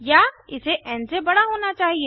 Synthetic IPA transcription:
jaːɪseʔɛ̃ːnsebɐɽaɦoːnat͡ʃaːɦieː

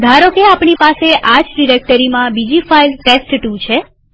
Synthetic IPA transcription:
d̪ʱaɾokeapɳipaseʔad͡ʒɖiɾek̚ʈəɾimãbid͡ʒifailʈesʈʈut͡ʃʰe

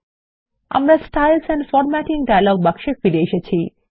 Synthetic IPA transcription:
a̰mɾasʈajlsɛnfɔɾmæʈiŋɖajalɔɡ̚bakʃefiɾeʃet͡ɕʰi

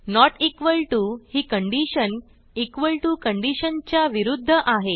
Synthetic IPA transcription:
nɔʈikʋəlʈuhiːkəɳɖiɕən | ikʋəlʈukəɳɖiɕənt͡ɕjaʋiɾud̪ʱːəʔaɦe

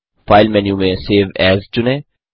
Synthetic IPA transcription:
faːɪlmɛːnjũmẽseːʋɛːzt͡ʃʊnɛ̃

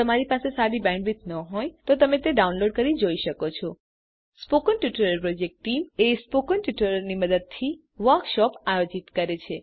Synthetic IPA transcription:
t̪əmaɾipasesaɾibɛ̃ɳɖʋit̪nəɦɔjt̪ot̪əmet̪eɖaunloɖ̚kəɾid͡ʒoiʃəkot͡ʃʰɔ | spokənʈjuʈəɾəɾpɾod͡ʒek̚ʈʈːimespokənʈjuʈəɾəniməd̪əd̪̚t̪ʰi | ʋəɾkʃɔpajod͡ʒit̪kəɾet͡ʃʰe

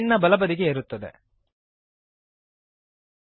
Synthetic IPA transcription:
nːɐbɐlɐbɐd̪iɡeːɾut̪ːɐd̪e̞̰

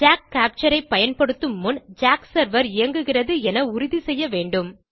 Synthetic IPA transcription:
d͡ʒaːk̚kːaːp̚t͡ʃɐɾɐɪpːɐjɐnpɐɽɯt̪ːɯmːʊnd͡ʒaːksɐɾʋɐɾɪjɐŋɡɯɣɪrɐðɯɛnɐʊɾɪðisɛjːɐʋeːɳɖɯm

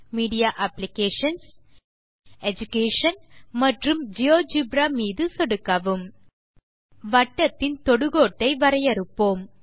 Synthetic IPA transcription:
miːɽijaːʔɐplɪkeːʂɐns | ɛd͡ʒʊkeːʂɐnmɐʈrɯmd͡ʒijoːd͡ʒibɾamiːðɯsɔɽɯkːɐʋɯm | ʋɐʈːɐt̪ːɪnt̪ɔɽɯɣoːʈːɐɪʋɐɾɐjɐɾɯpːoːm

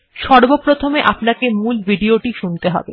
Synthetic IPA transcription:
ʃɔɾbopɾot̪ʰomeʔapnakemulbʱiɖioʈiʃunt̪eɦɔ̰be

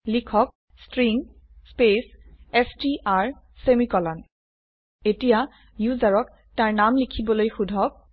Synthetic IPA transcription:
likʰɔk̚ | stɹiŋ | spesɛstiʔaɹ | semikɔlan | etija | juzaɹɔk | taɹnamlikʰibɔlojxudʱɔk̚

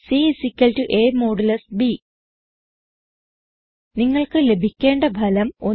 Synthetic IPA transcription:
siːsikʲːɐltuʔeːmoːɽɐlɐsbi | niŋːɐɭkɨle̞bʱikʲːe̞ːɳɖɐbʱɐlɐmo̞

